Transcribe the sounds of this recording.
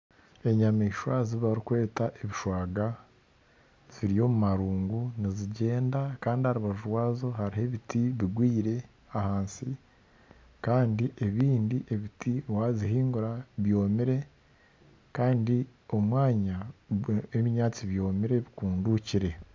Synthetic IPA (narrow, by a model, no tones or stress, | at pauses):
e̞ɲamiːʃwaziβaɾikwe̞ːtaʔeβiʃwaːɡa | z̥iɾijo̞mumaɾuːŋɡuniziɟe̞ːndakaːndihaɾuβaʒuɾwaːzo̞ɦhaɾiɦe̞βitʰiβiɡwiːɾe̞ | ahaːnsi | kaːndiʔe̞βiːndiʔe̞βitʰiwaːziɦiːŋɡuɾaβjo̞ːmiɾe̞ | kaːndi | o̞mwaːɲa | βɲaːt͡siβjo̞ːmiɾe̞βikuːnduciɾe̞